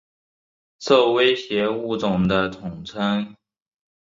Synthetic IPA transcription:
so˥˩we˥ɪɕjɛ˧˥u˥˩t͡sʊ˨˩ŋd̪ə˦t̪ʰʊ˨˩ŋt͡sʰə˥ŋ

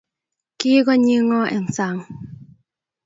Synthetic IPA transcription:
ki˦ɡɔ˦ɲi˦ŋɔ˦ʔɛ˨ŋ˨sa˨ŋ

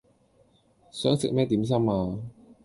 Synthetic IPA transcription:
sœː˨˥ŋsɪ˨k̚mɛː˥t̪iː˨˥ms̬ɐ˥maː˧

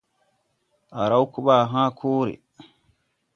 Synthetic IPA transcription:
ʔa˨ɾa˦wku˦ɓa˨ɦãː˦kʰoː˦ɾḛ˨

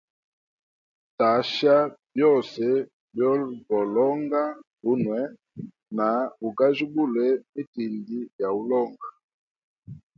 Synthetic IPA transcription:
ta˨ʃa˦bjɔ˦˨sɛ˨ | bjɔ˦vɔ˨lɔ˦ŋɡa˦bu˦nwɛ˦ | na˨bu˨ɡa˦ʒu˦bu˦˨lɛ˦mi˦ti˨ndi˦ja˨u˦lɔ˦˨ŋɡa˨

